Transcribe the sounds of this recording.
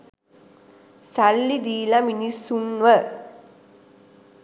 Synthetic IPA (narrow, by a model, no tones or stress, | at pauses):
salːid̪iːlaminisːunʋə